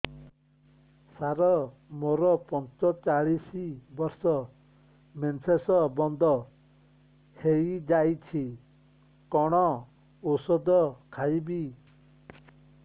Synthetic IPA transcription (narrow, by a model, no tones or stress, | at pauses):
saɾɔmoɾɔpɔnt͡ʃɔt͡ʃaɭisibɔɾsɔ | mensesɔbɔnd̪ɔ | hejd͡ʒajt͡ʃʰi | kɔɽ̃ɔ | usɔd̪ɔkʰajbi